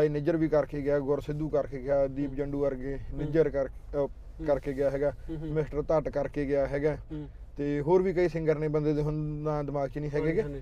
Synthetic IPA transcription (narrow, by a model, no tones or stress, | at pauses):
aiːnɪːd͡ʒəɾʋiːkəɾkeːɡɪjaːɡoɾsɪd̪uːkəɾkeːɡɪjaːd̪iːpd͡ʒəɳɖuːəɾɡeːnɪd͡ʒəɾ | kəɾkeːɡɪjaːɦɛːɡaːmɪsʈəɾt̪əʈkəɾkeːɡɪjaːɦɛːɡaː | t̪eːɦoːɾʋiːkəiːsɪ̃ŋɡəɾnẽːbənd̪eːd̪eːɦʊnd̪aːd̪ɪmaːɡt͡ʃinĩːɦɛːɡeːɡeː